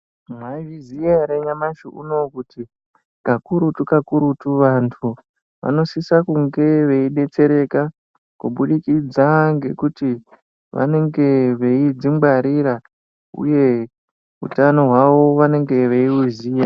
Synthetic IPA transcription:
mwaviziaɾeɲamaʃuṵno̞kuti | kakuɾutukakuɾutuʋantʰu | ʋa̰no̞sisakuŋɡe̞ʋe̞iɗe̞t͡se̞ɾe̞ka | kuɓuɗikid͡zaŋɡe̞kuti | ʋa̰ne̞ŋɡe̞ʋe̞id͡zimɡ͡baɾiɾa | ṵje̞ | ṵtano̞ɦwaʋo̞ʋane̞ŋɡe̞ʋeiwiziːja

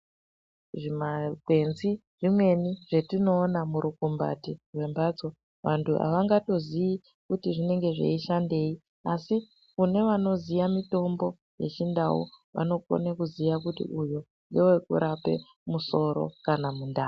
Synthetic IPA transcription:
ʐimaɡʱwe̞nzi | ʐ̥imwe̞niʐetino̞ːnamuɾukumba̰tirwe̞mbad͡zo̞ | ʋantʰuʔa̰ʋaŋɡato̞zii | kutiʐine̞ŋɡe̞ʐḛiʃande̞i | asi | kune̞ʋano̞zijamito̞mbo̞ | je̞t͡ʃindawṵʋa̰no̞ko̰nekuzijakutḭʔujo̞ | ndewe̞kṵɾape̞̰ | muso̞ɾo̞̰kanamundaː

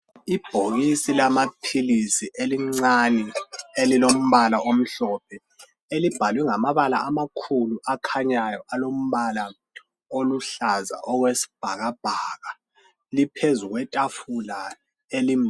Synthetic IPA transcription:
ib̥ʱoɣisilamapʰilisiʔeliŋ͡ǀanielilom̩βalaʔom̩ɬɔp̚ʰɛ | elib̥ʱalwiŋamaβala̰amakʰuluʔakʰaɲajɔʔalom̩βala | oluɬaza̰ʔɔɣwesi̥b̥ʱaɣab̥ʱaɣa | lipʰezuɣwɛtʼafula | elim

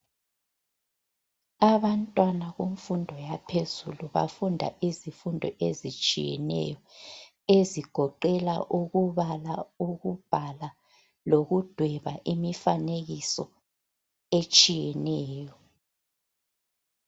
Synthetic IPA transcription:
aβantʼwanaɣuɱfundʱɔjapʰezuluβa̰fundʱa̰ʔizifundʱɔʔezit͡ʃʼḭjɛ̰nɛ̰jɔ | eziɡ̥ʱɔǃɛla̰ʔuɣuβalauɣub̥ʱala | loɣud̥ʱwɛβa̰ʔimifaneɣisɔ | et͡ʃʼijɛnɛːjɔ

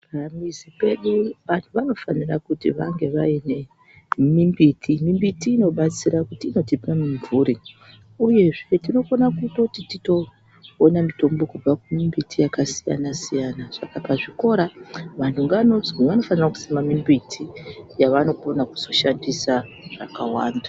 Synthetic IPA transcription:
pamizipe̞ɗuʋantʰuʋano̞fanirakutḭʋa̰ŋɡe̞ʋaine̞ | mimbitʰimimbitiːno̞ɓat͡siɾakutiːno̞tipiramiɱvuːɾi | uje̞ʐe̞tino̞konakuto̞titito̞ː | namito̞mbo̞kub͡vakumimbitijakasija̰nasijanaʐ̥akapaʐiko̞ɾaʋantʰuŋɡanoʐieʋano̞faniraku̥simamimbitʰijaʋano̞ko̞naku̥zo̞ʃandisa | ʐ̥a̰kawaːnda

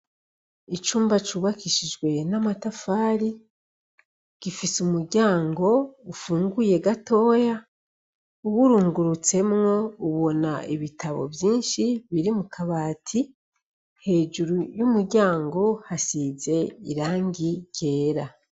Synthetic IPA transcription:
it͡ʃuːmbat͡ʃuβakiʃid͡ʒɡwe̞namatafaːɾi | ɡ̥ifisumuɾɟaːŋɡo̞ufuːŋɡuje̞ɡato̞ːja | uβuɾuːŋɡuɾut͡se̞mŋo̞uβo̞naiβitʰaβo̞̰bjiːnʃiβiɾimukʰaβaːtʰi | he̞ːʒuɾujumuɾɟaːŋɡo̞hasize̞iɾaːŋɡiɟe̞ːɾa

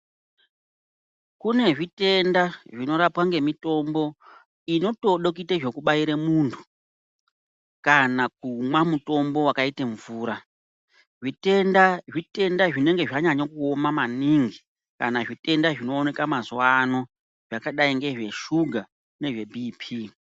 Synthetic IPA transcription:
kune̞ʐite̞ndaʐino̞ɾapwaŋɡe̞mito̞mbo̞ | ino̞to̞ɗo̞kiteʐo̞kuɓaiɾemuntʰu̥ | kanak̚umwamuto̞mbo̞wakaiteɱvuːɾa | ʐitenaʐite̞ndaʐine̞ŋɡe̞ʐaɲaɲokuomamaniŋɡi | ka̰naʐite̞ndaʐino̞ːne̞kamazwano̞ | ʐakaɗaiŋɡe̞ʐe̞ʃuɡʱa | ne̞ʐe̞bʱipʰiː

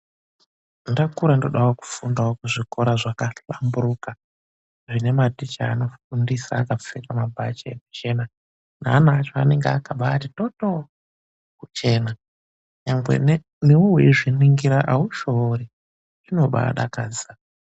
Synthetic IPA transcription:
ndakuɾandoɗawoku̥fundaokuʐikoɾaʐakaɬambuɾuka | ʐine̞matit͡ʃaːno̞fundisa̰ːkap͡fekamabʱat͡ʃeeku̥t͡ʃe̞na | naːnaːt͡ʃoa̰neŋɡeakaɓaːtitoto | kut͡ʃe̞ːna | ɲamɡwḛn | neuɦeiʐiniŋɡiɾaʔauʃori | ino̞ɓa̰ɗa̰kaːd͡za

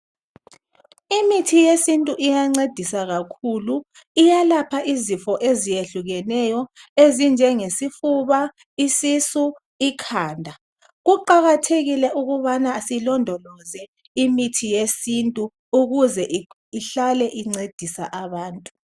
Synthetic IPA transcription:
imitʰijesintʼuʔijaŋ͡ǀed̥ʱisaɣakʰulu | ijalapʰaʔizifɔʔezijeɬuɣɛnɛjɔ | ezind͡ʒʱɛŋesifuβa | isisu | ikʰaːndʱa | ɣuǃaɣatʰeɣilɛʔuɣuβanasilɔndʱɔlɔzɛ | imitʰijesintʼu | uɣuzɛʔ | iɬalɛʔiŋ͡ǀed̥ʱisa̰ʔaβaːntʼu̥

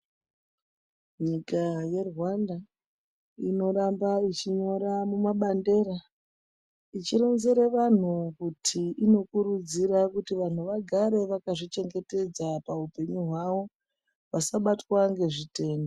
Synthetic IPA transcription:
ɲikaje̞rwanda | ino̞ɾambait͡ʃiɲo̞ɾamumaɓande̞ɾa | it͡ʃiɾonzeɾeʋan̤ukutʰiino̞kuɾud͡ziɾakutiʋan̤uʋaɡʱaɾe̞ʋakaʐit͡ʃe̞ŋɡe̞te̞d͡zapaupe̞ɲuɦwaʋo̞ | ʋasaɓatwaŋɡe̞ʐite̞ːndo

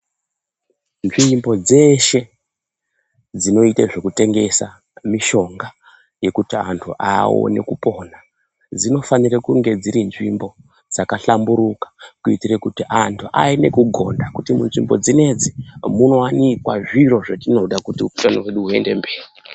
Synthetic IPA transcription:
nʐimbo̞d͡ze̞ʃe̞ | d͡zino̞iteʐe̞kute̞ŋɡe̞sa | miʃo̞ŋɡa | je̞kutia̰ntʰuʔa̰wo̰ne̞̰kupo̞ːna | d͡zino̞fanirekuŋɡe̞d͡ziɾinʐimbo̞ | d͡zakaɬamburukḁkuitirekutiʔantʰuʔaine̞̰kuɡʱo̞ndakutimunʐimbo̞d͡zine̞d͡zimuno̞wanikwaʐiɾo̞ʐatino̞ɗakutiuptoniweɗuue̞nde̞̰mbe̞ːri

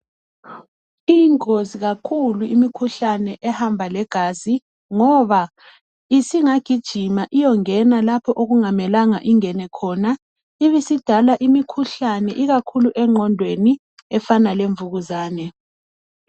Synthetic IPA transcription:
iːŋoziɣakʰuluimikʰuɬanɛʔɛhambʱalɛɡ̥ʱazi | ŋɔβa | isiŋaɡ̥ʱid̥ʒ̥ʱimaʔijɔŋɛnalapʰɔʔoɣuŋamɛlaŋaʔiŋɛnɛkʰɔna | iβisid̥ʱalaʔimikʰuɬanɛʔiɣakʰuluʔɛŋ͡ǃʱɔndʱweni | ɛfanaleɱvuɣuzaːnɛ

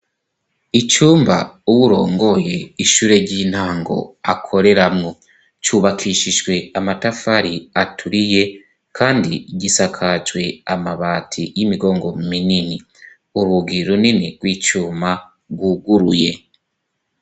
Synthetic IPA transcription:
it͡ʃuːmba̰uβuɾo̞ːŋɡo̞je̞iʃuːɾe̞ɾɟin̥haːŋɡo̞̰akʰo̞ɾe̞ɾamŋo̞ | t͡ʃuβakʰiʃiʒɡwe̞amatafaɾiatʰuɾije̞ | kʰaːndiɟisakʰat͡ʃwe̞amaβaːtʰijimiɡo̞ːŋɡo̞minini | uɾuɡiɾuniniɡ̥wiːt͡ʃuːma | ɡwuɡuɾuje̞

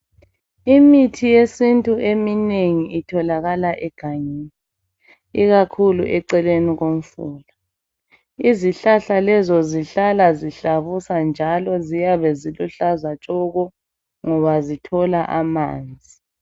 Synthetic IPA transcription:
imitʰijesintʼuʔemineŋiitʰɔlaɣalaʔɛɡ̥ʱaɲiːni | iɣakʰulṵʔɛǀɛleniɣom̩fuːla | iziɬaɬalɛzɔziɬalaziɬaβusand͡ʒʱalɔzijaβɛziluɬazat͡ʃʼɔɣɔ | ŋɔβazitʰɔlaʔama̰ːnd͡zʱi

